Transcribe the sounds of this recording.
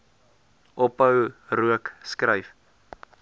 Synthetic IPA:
ʔɔpəwruəkskrəjf

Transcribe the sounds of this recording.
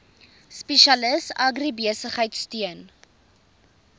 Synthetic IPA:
speʃɐləsɐɡribiəsəχɦəjtstyən

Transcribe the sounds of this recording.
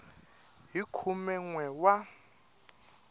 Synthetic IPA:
ɦikʰumɛŋwɛwa

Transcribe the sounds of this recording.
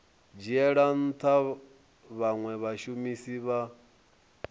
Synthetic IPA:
d͡ʒiɛɺan̩t̪ʰa | βaŋwɛβaʃumisiβa

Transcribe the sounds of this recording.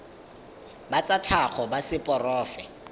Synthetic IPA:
bat͡sʼat͡ɬʰaχɔbasɪpʼɔrɔːfɛ

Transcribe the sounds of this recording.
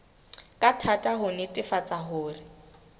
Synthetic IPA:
kʼatʰatʼaɦʊnɪtʼɪfat͡sʼaɦʊːrɪ

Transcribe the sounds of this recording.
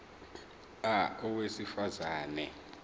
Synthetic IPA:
aɔwesifazaːnɛ̰

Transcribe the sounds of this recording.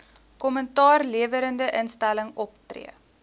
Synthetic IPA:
kɔməntɑːrliəvəɾəndəʔənstæləŋɔptrḭə

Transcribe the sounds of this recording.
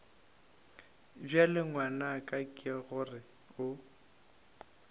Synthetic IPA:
bjalɪŋwanakʼakʼɪaɣʊrɪ | ʊ

